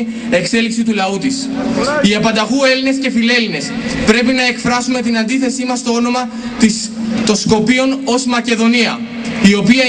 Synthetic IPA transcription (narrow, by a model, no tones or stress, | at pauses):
e̞kse̞liksit̪ulɐut̪is | iɐpɐnd̪ɐɣue̞line̞sce̞file̞line̞spɾe̞pinɐekfɾɐsume̞t̪inɐnd̪iθe̞simɐst̪o̞o̞no̞mɐ | t̪o̞nsko̞pio̞no̞zmɐce̞ðo̞niɐ | io̞piɐ